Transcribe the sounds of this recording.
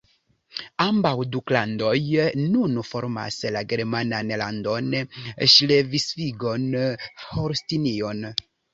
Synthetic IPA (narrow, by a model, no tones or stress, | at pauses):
ambawduklando̞jnunfo̞ɾma̰slaɡe̞ɾmananlando̞nʃlevisfiɡonhoɾstinio̞n